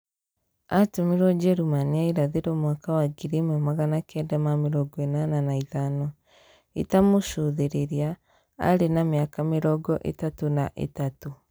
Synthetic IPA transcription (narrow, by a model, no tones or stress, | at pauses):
atumiɾwɔd͡ʒɛɾumaniaiɾaðeɾɔmwakawaɡiɾimɔmaɣanakʰɛdamameɾɔɡɔenananaiðanɔ | ḭtamoʃoðeɾeɾia | a̰ɾenamiakameɾɔɡɔʔḛtatonaʔḛtato